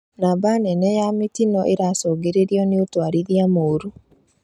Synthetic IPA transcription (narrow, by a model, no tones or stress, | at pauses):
nabanɛnɛjamitinɔʔeɾasɔɡeɾeɾiɔneotwaɾiðiamoːɾu